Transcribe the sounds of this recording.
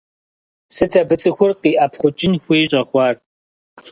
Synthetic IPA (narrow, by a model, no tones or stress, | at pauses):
sɨtʰɐbɨt͡sʼɨxʷʊrqiːʔɐpʰχʷʊt͡ʃʼɪnxʷiːɕʷʼɐχʷɑːr